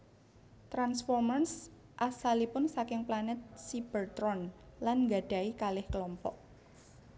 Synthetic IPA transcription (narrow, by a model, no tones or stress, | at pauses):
t̪ɾansfɔrmars | ʔasalipʊnsakɪŋplanɛt̪̚sib̥ərt̪ɾɔnlanŋɡaɖ̥a̤ikalɪhkəlɔmpɔ̰ʔ̚